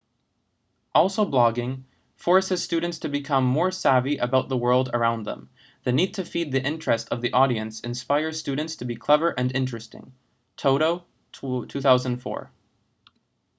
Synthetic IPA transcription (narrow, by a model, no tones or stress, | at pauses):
ʔɔlˠsoʊblɑɡɪ̃ŋ | fɔɹshɨz̥stʉdⁿn̩tstʰɨbɨkʰʌ̃mːɔɹsæviʔəbaʊt̪̚ðəwɜ˞lˠdə̰˞ãʊ̃nðə̰̃m | ðɨnid̚tʰɨfid̪̚ðiʔɪ̃nt͡ʃɹ̥ɨstʰʌvðiʔɔɾiɨ̃nsɨ̰̃nspaɪə˞z̥stʉdⁿn̩tstʰɨbikʰl̥ɛvə˞ʔɨ̃nɪ̃nt͡ʃɹ̥ɨstɪ̰̃ŋ | tʰoʊɾoʊ | tʰʉθaʊzə̃n̩dfɔ̰ɹ